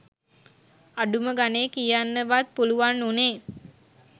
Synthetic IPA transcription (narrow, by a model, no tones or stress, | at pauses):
aɖuməɡaneːkijanːəʋat̪̚puluʋanːuneː